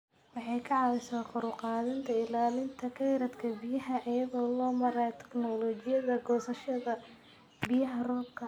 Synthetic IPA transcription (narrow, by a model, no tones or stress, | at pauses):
wɑħɑjkʰɐʕɑwɛsaːqʊɾʊqɑːðɐnt̪ʰɐɪlaːlɪnt̪ʰɐkʰɛjɾɐd̪kʰɐbɪjɐɦɐʔɐjɐðɔːlɔːmɐɾajt̪ʰɛ̥knɔlɔːt͡ʃɪjɐðɐɡɔːsɐʃɐðɐ | bɪjɐɦɐrɔːbkʰɐ